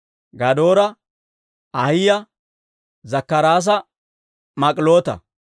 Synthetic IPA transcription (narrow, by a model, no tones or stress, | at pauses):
ɡɐd̪oːɾɐ | ɐhɪjɐ | zɐkːɐɾaːs̬ɐ | mɐkʼɪlo̞ːt̪ɐ̰